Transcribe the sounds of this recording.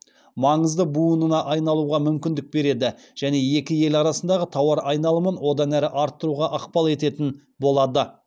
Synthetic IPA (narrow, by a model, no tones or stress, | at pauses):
mɑɴəzd̪əbujənənɑʔɑjnɑlˠuʁɑmʏmkʲɪnd̪ɪk̚be̞ɾe̞d̪ɪ | ʒ̥æne̞je̞kʲɪje̞lɑɾɑsənd̪ɑʁət̪ʰɑwɑɾɑjnɑlˠəmənwo̞d̪ɑnæɾɪʔɑɾt̪ːəɾuʁɑʔɑqpɑlˠe̞t̪e̞t̪ɪn | bo̞lˠɑd̪ə